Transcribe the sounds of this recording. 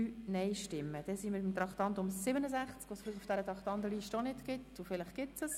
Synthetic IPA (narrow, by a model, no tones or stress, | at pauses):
yːnɛɪʃtɪmːəd̥ɛsimɪtmt̪ɾɑkt̪ɑnt̪ʊmsɪbənəzæχt͡skʋosfɪlɪχʊfd̥æɾət̪ɾɑkt̪ɑnd̪əliʃtɔnɪtɡ̥ɪt̪ʊfɪlɪχɡ̥ɪtsəs